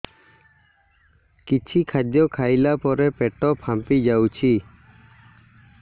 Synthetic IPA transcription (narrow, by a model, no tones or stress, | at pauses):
kit͡ʃʰikʰad̪jɔkʰajlapɔɾɛpɛʈɔpʰãmpid͡ʒawt͡ʃʰi